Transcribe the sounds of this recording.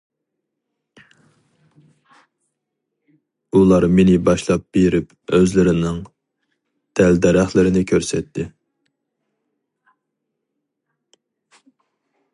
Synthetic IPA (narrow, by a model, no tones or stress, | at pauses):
ulˠɑɾmenɪbɑʃlˠɑp̚b̥eɾɪp | øzlɪɾɪnɪŋ | d̪̥ɛld̪ɛɾæχlˠɪɾɪnɪkʲʰøɾsɛt̪ʰːɪ